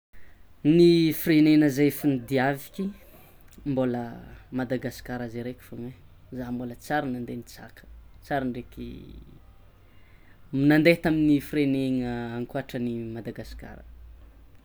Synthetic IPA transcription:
nifirenenəzefinid̪iavikʲi | mboləmad̪aɡasi̥kaɾazeɾekʲi̥foŋe | zambolət͡saɾinand̪enit͡sa̰kʰə̥t͡saɾinɖ͡ʐekḭ | minand̪et̪aminifireneŋəaŋkuaʈ͡ʂənimad̪aɡasi̥ka̰ɾə̰

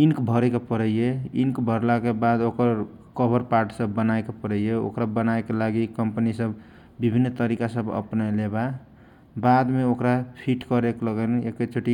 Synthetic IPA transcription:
inkbʱəɾekepəɾəjjeḭnkbʱəɾlakebad̪okəɾ | kəbʱəɾpaɾʈsəbːənaekepəɾəjeo̰kɾabənaekelaɡikəmpənisəb | bibʱinːt̪əɾikasəbə̰pnaleba | bad̪meokɾapʰiʈkəɾekləɡənekːet͡ʃʰoʈi

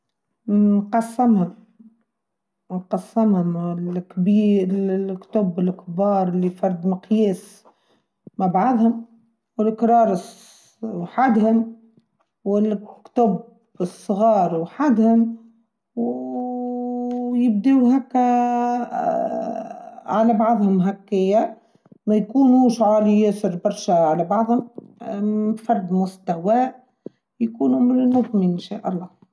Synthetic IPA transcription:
nqɑsːɪmhʊm | nqɑsːɪmhʊmɪlkbiːkt̪ʊbɪlkbɑːɾˤlːifɑɾˤd̪mɪqjeːs | mabaʕad̪hʊm | wɪlkɾˤɑːɾˤs | wħad̪hʊm | wɪlkt̪ʊb | ɪsˤːɣɑːɾˤwħad̪hʊm | w | jɪb̚d̪iwɦækːæ | ʕalæbɑʕðˤhʊmɦakːɪjːa | mæjkuːnuːʃʕaːlijæsəɾbɑɾˤʃæʕalæbɑʕðˤhʊm | fɑɾˤd̪mʊst̪æwæː | jkuːnʊmlmʊðˤminʃaːʔɑlˤːɑː

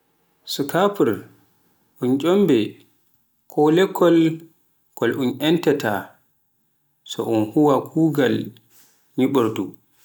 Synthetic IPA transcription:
sukapuɾ | ʔunt͡ʃʼɔmbɛ | kʰɔlɛkʰːɔl | kɔlʔunʔɛntɛta | sɔʔɔnhuwakʰuːɡal | ɲiɓɔɾdu

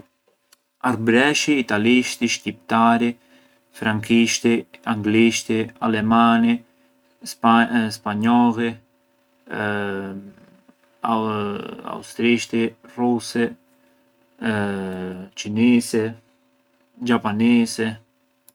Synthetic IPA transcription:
aɾbɾɛʃiːt̪aliʃt̪iʃcip̚t̪aɾi | fɾaŋkiʃt̪iaŋɡliʃt̪ialɛmani | spaɲɔli | a̰ust̪ɾiʃt̪irusɛ | t͡ʃinisɛ | d͡ʒapanisɛ

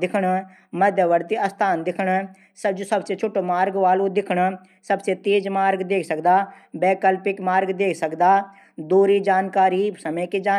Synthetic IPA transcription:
d̪ɪkʰəɳ | məd̪jəʋəɾt̪iəst̪ʰaːnd̪ɪkʰəɳ | səd͡ʒosəbset͡ʃʰʊʈoːmaːɾɡʋaːlud̪ɪkʰɳ | səbset̪eːd͡ʒmaːɾɡd̪eːkʰsəkd̪aː | bɛːkəlpɪkmaːɾɡd̪eːkʰsəkd̪aː | d̪uːɾiːd͡ʒaːnkaːɾiːsəmə̃ked͡ʒaː

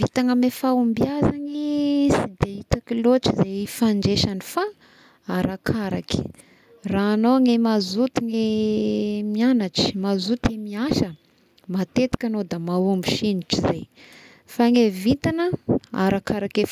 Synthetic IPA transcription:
vit̪aŋəmefaumbiazanisid̪eit̪akiloʈ͡ʂizeifaɳd͡ʒeʃanifa | aɾakʰaɾa̰ki̥ | raːnoŋemazut̪iŋe | mianaʈ͡ʂi̥mazut̪emiaʃə | mat̪et̪i̥kʲanod̪amaombiʃiniʈ͡ʂizaj | faŋevit̪anəa̰ɾakaɾakef

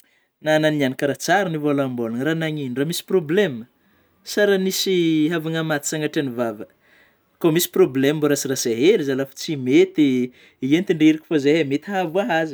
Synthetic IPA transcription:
nananianakəɾat͡saɾanivolamboluŋɾanaɲiniramisi̥problemə | saɾanisiɦavaŋamat̪i̥t͡saŋaʈ͡ʂanivavə | komisi̥problemmboɾasirasaɦeɾizalafu̥t͡simet̪i | ient̪iɳɖ͡ʐiɾikʲi̥fazeɦamet̪ɦavuaɦazi

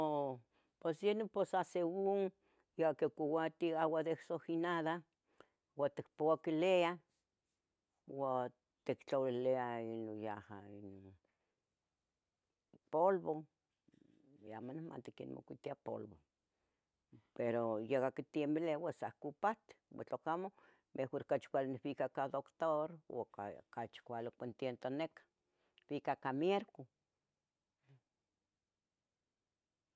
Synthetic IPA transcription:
o | pesjenoposaseuŋ | jeakekʷuwat̪iawad̪ehsohinaða | wat̪ek̚powakilea | wa | t̪ekt͡ɬowileainojaha̰inon | polβo | amonehma̰nt̪ikinmo̰kʷit̪iapo̰lβo | peɾojekakit̪iembelewesahkupat̪e̥wḛt͡ɬokamo | mʔehoɾkat͡ʃkʷaleneβikakad̪okt̪oɾo̰kakat͡ʃkʷalokent̪jent̪onekḁ | β̥ikakamjeɾku

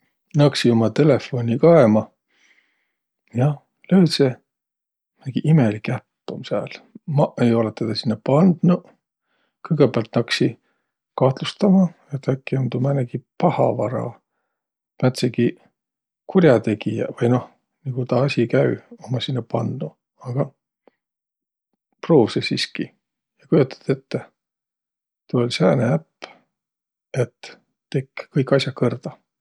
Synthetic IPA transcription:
nɑksio̞mɑt̪e̞le̞fːo̞nʲikɑemɑ | jɑ | løjt̪se | mæɡ̥iʔimelikæpːumsæ̰ːlmɑejo̞let̪ːed̪̥ɑsinːɑpɑnd̪̥nu | kɤjɡ̥epeæɑlt̪ːnɑksi | kɑht̪lust̪ɑmɑ | et̪ækːiond̪umæneɡ̥ipɑhɑ̰vɑɾɑ̰ | mæt̪seɡ̥i | kʰurjɑt̪e̞ɡijɑ̰vɑjno̞h | niɡ̥ut̪ɑɑsʲikæyomːɑsinːɑpɑnd̪u | ɑɡ̥ɑ | pro̞ːvsesiski | jɑkujut̪ːˑɑ̥t̪e̞t̪ːe | t̪uolʲsæːneæpː | e̞t̪ː | ekːkɤjkːˑɑsʲjɑkɤrd̪̥ɑ

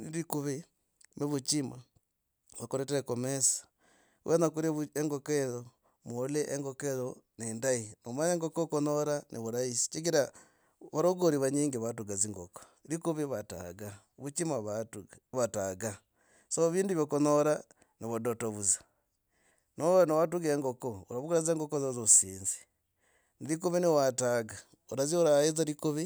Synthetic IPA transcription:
niɾikuβi | miβut͡ʃima | βakoɾeteɾekomesḁ | wʔenakuɾeβueŋɡokeɾo | moleʔeŋɡokeɾonendainomaneŋɡokokonoɾanʔiβuɾaisi̥t͡ʃiɡiɾa | βaɾoɡoɾiβaɲiːŋɡiβatuɡaziŋɡoko̥ | ɾikuβiβata̰ɡa | βut͡ʃimaβatu | βataɡa | soβiːnduβjokonoɾa | niβodotoβuzḁ | nonowatuɡeŋɡokouɾaβuɡuɾazeːŋɡokozozosiːnzi̥ | niɾik̬uβiniwataɡa | uɾaziuɾaizaɾikuβi

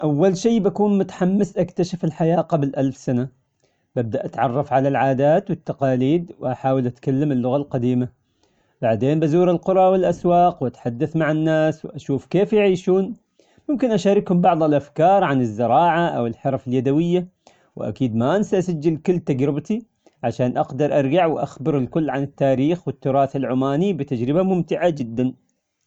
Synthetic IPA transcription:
ʔawːalʃiːbakuːnmʊt̪ḁħamːɪsʔakt̪aʃɪfɪlħajaːqɑblʔalfsana | b̥ab̚d̪aʔat̪ʕɑrˤːɑfʕalalʕaːd̪aːt̪wɪt̪ːaqɑːliːd̪wɪʔaħaːwɪlʔat̪kalːamɪlːʊɣalqɑd̪iːma | b̥aʕd̪eːnbazuːɾɪlqʊɾˤɑwɪlʔaswɑːqwʔat̪ħad̪ːaθmaʕanːaːswɪʔaʃuːfkeːfjɪʕiːʃuːn | mʊmkɪnʔaʃaːɾɪkhʊmbɑʕðˤɪlʔafkɑːɾˤʕanɪzːɪɾɑːʕaʔa̰wɪlħɑɾˤfɪljad̪awɪjːa | wʔa̰kiːd̪maʔansaʔasad͡ʒːɪlkʊlːt̪ad͡ʒɾɪbt̪i | ʕaʃaːnʔaqd̪ɑɾˤʔɑɾˤɡaʕwʔa̰xbɪɾɪlkʊlːʕanɪt̪ːaːɾiːxwɪt̪ːʊɾˤɑːθɪlʕʊmaːnibɪt̪ad͡ʒɾɪbamʊmt̪ɪʕad͡ʒɪd̪ːan

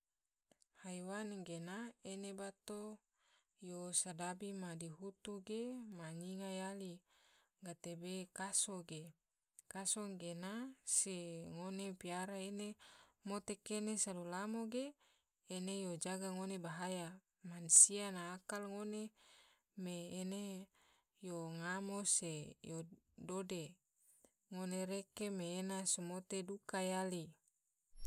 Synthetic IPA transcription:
hajwanɡenaenebat̪o | josadabimadiɦut̪uɡemaɲiŋajali | ɡat̪ebekasoɡe | kasoŋɡenaseŋonepiaɾaenemot̪ekenesadulamoɡeː | nejod͡ʒaɡaŋonebaɦaja | mansianaːkalŋone | meːne | joŋamosejo | dode | ŋoneɾekemeːnasomot̪edukajali

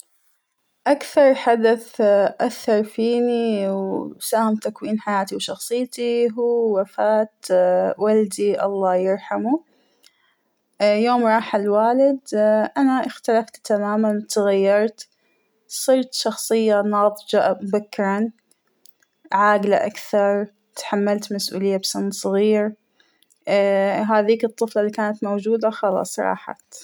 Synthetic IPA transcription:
ʔakθɑɾˤħad̪aθʔaθːɑɾˤfiːniwsaːhɪmt̪akwiːnħajaːt̪iwʃɑxsˤɨjːt̪iɦuːwafaːt̪wald̪iʔɑ̰lˤːɑːjɪɾˤħamu | joːmɾˤɑːħalwaːlɪd̪ʔanaʔɪxt̪alaft̪t̪amaːmant̪aɣajːɑɾˤt̪ | sˤiɾt̪ʃɑxsˤɨjːanɑːðˤd͡ʒaʔmʊbakːɪɾˤɑn | ʕaːɡla̰ʔakθɑɾˤ | t̪ħamːalt̪masʔṵːlɪjːabsɑnsˤɣiːɾ | ɦaːðiːkɨt̪ˤːɨflɑliːkaːnat̪mowd͡ʒuːd̪axɑlɑ̰ːsˤɾˤɑ̰ːħɑ̰t̪

